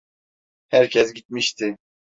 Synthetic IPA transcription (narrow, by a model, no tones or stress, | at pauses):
hæɾcʰɛsɟit̪̚miʃt̪ʰɪ